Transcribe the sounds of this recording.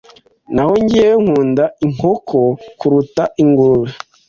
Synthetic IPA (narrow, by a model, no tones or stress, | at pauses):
nahoɲɟiejoŋ̥uːndaiŋ̥okʰokuɾutaʔiŋɡuɾuɾe